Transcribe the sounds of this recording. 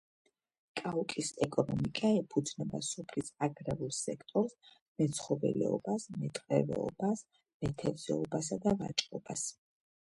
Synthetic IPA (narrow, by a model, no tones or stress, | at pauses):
kʼaukʼisɛkʼɔnɔmikʼaɛpʰud̪znɛbasɔpʰlisaɡɾɛvulˠsɛkʰt̪ʼɔɾs | mɛt̪sʰχɔvɛ̰lɛ̰ɔbasmɛt̪ʼqʼɛvɛ̰ɔbas | mɛt̪ʰɛvzɛɔbasad̪avat͡ʃʼqʼɔb̥as